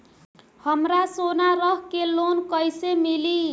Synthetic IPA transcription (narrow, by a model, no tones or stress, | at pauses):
həmɾasonaɾəɦkelonkəjsemili